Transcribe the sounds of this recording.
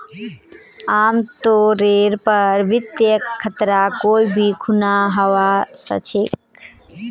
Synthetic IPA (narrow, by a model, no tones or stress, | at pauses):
aːmt̪oɾeɾpəɾʋɪt̪jəkkʰːət̪ɾakoːibʱikʰunaɦəʋasə̰t͡ʃʰek